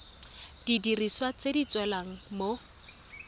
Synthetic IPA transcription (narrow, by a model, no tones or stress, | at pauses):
d̥idiriswat͡sedit͡swɛlaŋ̩mo